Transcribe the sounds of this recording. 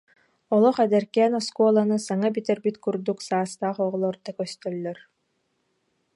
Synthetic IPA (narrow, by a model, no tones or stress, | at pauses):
ɔlˠɔχɛd̪ɛɾkɛːnɔskuɔlˠanɯsaŋabit̪ɛɾbit̪kuɾd̪uksaːst̪aːχɔʁɔlˠɔɾd̪akœst̪œlːœɾ